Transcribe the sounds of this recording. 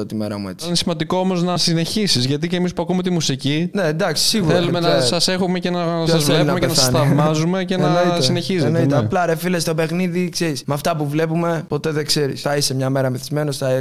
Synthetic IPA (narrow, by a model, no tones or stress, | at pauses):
ot̪imeɾɐ̰mue̞t͡siinesimɐnd̪iko̞omo̞znɐsine̞çisizʝɐt̪̬icemispuɐkumet̪imusicine̞nd̪ɐksi̥siɣuɾoelumeɐssɐse̞xumecenɐoɐzsboɾinɐmeenɐθɐnɐvmɐzume̞cenɐnit̪sineçiznoieɐplɐɾefilest̪o̞pe̞xniðikseɾismɐft̪ɐpuvle̞pume̞po̞t̪e̞ðekse̞ɾḭsθɐise̞mɲɐme̞ɾɐmiθizme̞no̞sθɐ